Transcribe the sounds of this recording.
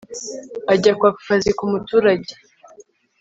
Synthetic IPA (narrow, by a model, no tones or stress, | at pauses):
aɟakwaku̥fazikumutuːɾaɟe